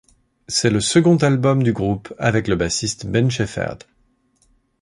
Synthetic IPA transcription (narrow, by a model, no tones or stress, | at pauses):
sɛləsəɡɔ̃t̪albɔmd̪yɡʁupa̰vɛkləbasist̪bɛnʃ̬efɛ̰ʁd̪̥